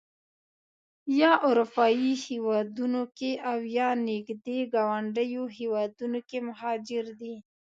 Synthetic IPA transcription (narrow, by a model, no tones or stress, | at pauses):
jɑʔʊɾupɑjihewɑd̪unokeʔawjɑnɪɡd̪eɡɑwaɳɖəjohewɑd̪unokemʊɦɑd͡ʒɪɾd̪i